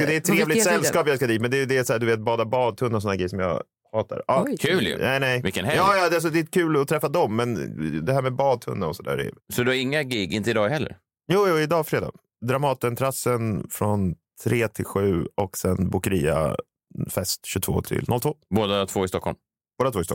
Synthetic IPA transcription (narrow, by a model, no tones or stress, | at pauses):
d̪ɛt̪ʰːɾeːvlɪsɛlskɑːpjɑaskad̪iːt̪mɛnd̪ɛjd̪ɛːsɔæːd̪ɵveːt̪̚bɑːd̪abɑːd̪̚t̪ʰɵnːasɔnhæɡɾɛjəʂɔmjɑ̰ | hɑːt̪a̰ɾɑːkʰʉːlj̰nɛɪnɛjvɪkːənhɛɑːjɑːd̪ɛas̬ɔd̪ɛɛt̪̚kʰʉ̟ːlɔt̪ʰɾɛfːad̪ɔmːɛnd̪ɛhæːɾmɛbɑːd̪̚t̪ʰɵ̰nːaɔsɔd̪æ̰ːɾɛ̰sɔd̪ɵaɾɪŋːaɡɪɡɪnt̪əɪd̪ɑːɡhɛlːə̰ɾ | juːjuːɪd̪ɑːfɾeːd̪ɑ̰ːɡ | d̪ɾamɑːt̪ɛnt̪ʰɾasənfɾɔnt̪ʰɾeːt̪ʰɪlɧʉ̟ːɔksɛnbukəɾiːa̰ | fɛst̪ɕɵt̪ʰvo̰ːt̪ʰɪ̰lnɔlt̪ʰvoːboːd̪at̪ʰvoːɪst̪ɔkʰːɔ̰lm | b̥oːd̪at̪voːɪst̪ɔkm